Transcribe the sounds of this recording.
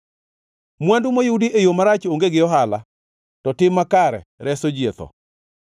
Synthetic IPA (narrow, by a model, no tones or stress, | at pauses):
mwandumojudiejomaɾat͡ʃoŋɡeɡɪjɔɦala̰ | tɔtɪmːakaɾɛ̰ɾɛsod͡ʒjet̪ɔ̰